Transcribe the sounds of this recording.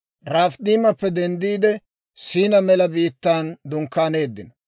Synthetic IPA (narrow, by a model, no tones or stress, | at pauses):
ɾaːfd̪iːmɐpːɛd̪ɛnd̪iːd̪ɛ | siːnɐmɛlɐbiːt̪ːaːnd̪ʊŋkːaːne̞ːd̪ːɪnɐ